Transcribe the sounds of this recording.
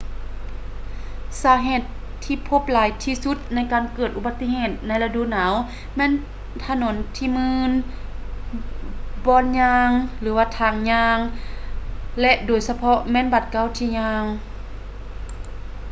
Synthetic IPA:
saː˨˦ɦeː˧˩˨t̪ʰː | iː˧pʰo˧˦p̚laː˨˦jt̪ʰiː˧su˧˦t̪̚na˧˥˨jkaː˨nkɤː˧˩t̪̚ʔu˧˩ba˧˦t̪ːi˧˨heː˧˩t̪̚na˧˥jla˧du˧˨naː˨˦w | mɛː˧˥˨n | t̪ʰa˧no˩˦nt̪ʰiː˧mɯː˧˥n | bɔː˧˨nɲaː˧ŋlɯː˨˦waː˧˩t̪ʰaː˧˩ŋɲaː˧ŋ | lɛ˧ʔdoː˨˩jsa˧pʰɔ˧mɛː˧˥˨nba˧˩t̪̚ka˧˥˨wt̪ʰiː˧ɲaː˧ŋ

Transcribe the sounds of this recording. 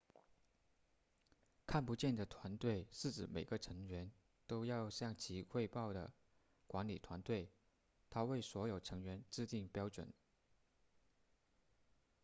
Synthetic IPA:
kʰa˥˩npu˧˥t͡ɕjɛ˥˩nd̪ə˩t̪ʰwa˧˥nt̪we˥˩ɪʂɻ̩˥˩ʈ͡ʂɻ̩˨˩me˨˩ɪɡə˦ʈ͡ʂʰɤ˧˥ŋɥɛ˧˥n | t̪o˥ʊjɑ˥˧ʊɕjɑ˥˩ŋt͡ɕʰi˧˥xwe˥˧ɪpɑ˥˩ʊd̪ə̰˩ | kwa˧˥nli˨˩t̪ʰwa˧˥nt̪we˥˩ɪ | t̪ʰa˥we˥˩ɪswɔ˧˥jo˨˩ʊʈ͡ʂʰɤ˧˥ŋɥɛ˧˥nʈ͡ʂɻ̩˥˧t̪i˥˩ŋpjɑ˥ʊʈ͡ʂwə̰˨˩˦n

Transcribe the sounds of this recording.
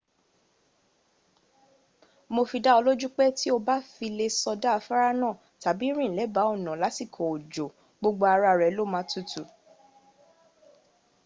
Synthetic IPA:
mo˧fi˧da˦ɔ˧lo˦d͡ʒu˦k͡pɛ˦ti˦o˧ba˦fi˧le˧sɔ˧da˦a˧fa˦ɾa˦nãː˦˨ | ta˨bi˨˦ɾ̃ĩ˦˨lɛ˨˦ba˨˦ɔ˦˨nã˨la˨˦ti˦˨kʰɔ˨o˨d͡ʒo˨ | ɡ͡bo˧ɡ͡bo˧a˧ɾa˧ɾɛ˨˦lo˦˨mã˦tu˦˨tu˨

